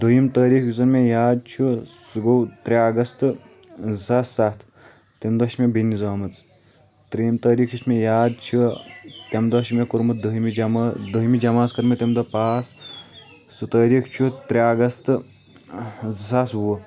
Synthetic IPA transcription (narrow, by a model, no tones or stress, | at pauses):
d̪ɐjimt̪əːɾiːkjusɐnmejaːd̪̚t͡ʃʰusuɡowt̪ɾʲaːɡɐst̪ɨ | sasːat̪ʰ | t̪emd̪ɐɐʃmebinːizaːmɐt͡s | t̪ɾiimt̪ɐːɾiːkjismejaːd̪̚t͡ʃʰut̪ʲɐmd̪ɐɐʃimekuɾmɐd̪ɐɦmimd̪ɐɦimid͡ʒɐmaːskɐɾmit̪ʲemd̪ɐpaːsː | ɨt̪əːɾiːkʰt͡ʃʰut̪ɾʲaːɡɐst̪ | sasbuʋ